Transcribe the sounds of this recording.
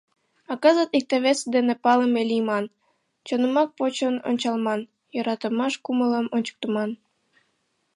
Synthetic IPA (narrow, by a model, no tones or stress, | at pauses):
ɑkɑzət̪ik̚t̪eβesd̪enepɑləmelʲimɑn | t͡ɕonə̆mɑk̚pot͡ɕəno̰nt͡ɕɑlˠmɑn | joɾɑt̪əmɑʃkumələmonʲt͡ɕə̥k̚t̪əmɑn